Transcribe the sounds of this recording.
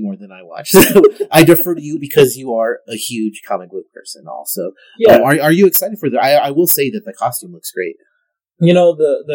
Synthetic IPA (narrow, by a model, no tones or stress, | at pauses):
mɔɹðɨ̃naɪwɑ̰t͡ʃsoʊaɪdɨfə˞ɾɨjɨbɨkʰʌzjɨə˞ɨhjʉd̥ʒ̥kʰɑmɨkwɪk̚pʰɜ̰˞sɨ̰̃nɔ̰lˠsoʊ | jʌ̃ə˞ə˞jɨɨksaɪɾɨd̥fə˞ðə˞aɪaɪwɪlˠseɪðɨt̪̚ðɨkʰɑstʉ̃mlʊksɡ̥ɹeɪt̚ | jɨnoʊðəðɨ